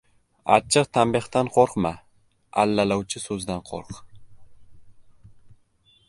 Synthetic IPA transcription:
a̰t͡ʃʰːɨqt̪ʰambɪχt̪anqʰoɾqma | a̰lːalawt͡ʃʰɪsɵzd̪anqʰo̰ɾq

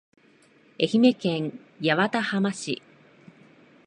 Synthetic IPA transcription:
e̞çime̞kẽ̞ŋ | jaβat̪ahamaɕḭ

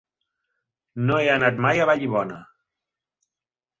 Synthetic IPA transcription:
noɛənat̪majaβaʎiβɔnə

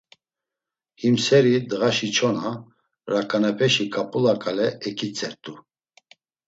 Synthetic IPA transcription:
himsɛɾid̪ɣaʃit͡ʃʰɔna | ɾakʼanɛpʰɛʃikʼapʼulakʼalɛɛkʰit͡sʼɛɾt̪ʼu

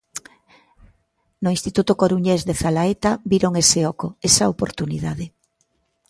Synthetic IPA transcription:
nʊĩnst̪it̪ut̪okoɾuɲezðeθalaet̪abiɾoŋeseɔkoesaopoɾt̪uniðaðe

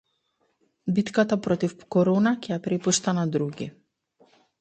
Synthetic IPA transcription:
bit̪kat̪apɾɔt̪ifkɔɾɔnakʲɛjapɾɛpuʃt̪anad̪ɾuɡʲḭ

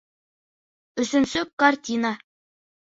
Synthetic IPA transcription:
ɵ̆sɵ̆nsɵk̚kartʲina

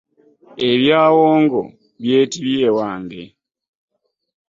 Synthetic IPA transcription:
eβjaːwoːŋɡo̞̰ | βje̞ːtiβjeːwaːŋdḛ

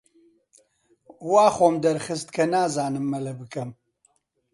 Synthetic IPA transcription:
waːχoːmd̪ɐɾχɨst̪kʰɐnaːzaːnɨmːɐlɐbɨkʰɐm

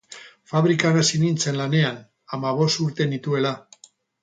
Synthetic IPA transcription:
faβɾikanasinint͡se̞nlane̞an | amaβ̞o̞st̪uɾt̪e̞nit̪ue̞la

